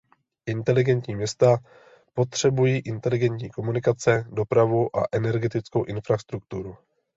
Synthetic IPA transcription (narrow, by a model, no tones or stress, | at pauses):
ʔɪnt̪ɛlɪɡɛnt̪ɲiːmɲɛst̪a | po̞t̪r̝̥ɛbujiːʔɪnt̪ɛlɪɡɛnt̪ɲiːko̞munɪkat͡sɛdo̞pɾavuʔa̰ʔɛnɛɾɡɛt̪ɪt͡sko̞wʔɪnfɾast̪ɾuk̚t̪uɾu